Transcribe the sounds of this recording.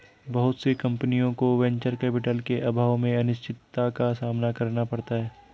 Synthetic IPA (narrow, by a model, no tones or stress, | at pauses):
bɐɦʊt̪sekɐ̃mpənijõkoʋɛ̃ɲt͡ʃəɾkɛːpɪʈəlkeʔɐbʱaːʋmẽɐnɪʃt͡ʃɪt̪ːakasaːmnakɐɾnapɐɽt̪aɦɛː